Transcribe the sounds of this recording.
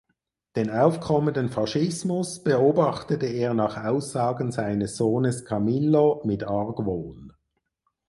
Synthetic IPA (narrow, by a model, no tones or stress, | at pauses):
d̥eːnaʊfkʰɔməndənfɑʃɪsmʊsb̥əoːbɑχtətəeːɐnɑːχaʊsz̥ɑːɡən̩zaɪnəsz̥oːnəskʰɑmɪlːomɪtɑɐɡvoːn